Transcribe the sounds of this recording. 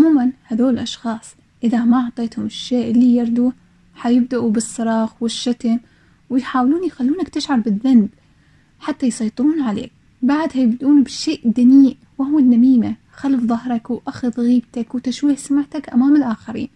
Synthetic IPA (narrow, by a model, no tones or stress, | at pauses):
ʕʊmuːmanhaðoːɪlʔɑʃxɑːsˤ | ʔɪðamaʔʊʕt̪ˤeːt̪hʊmɪʃːeːʔɪlːijɑɾˤd̪u | ħajɪb̚d̪aʔubɨsˤːɑɾˤɑːxwɪʃːat̪ɪn | wɪjħaːwluːnjxalːuːnakt̪ɪʃʕɑɾˤbɪðːanb̪ | ħat̪ːajsˤɑjt̪ˤɨɾuːnʕalḛːk̚ | baʕd̪hajɪbd̪ʔuːnbɪʃeːʔd̪aniːʔ | wahʊwɪnːamiːma | xalfðˤɑhɾˤɑkwʔaxʊðɣiːbt̪akwt̪aʃwiːħsamaʕt̪akʔamaːmɪlʔaːxaɾḭːn